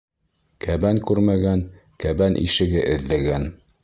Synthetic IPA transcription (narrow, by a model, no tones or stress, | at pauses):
kʰæbæŋkʉɾmæɡæn | kæbænʔḭʃɘ̆ɡɘʔɘ̆ðːæɡæn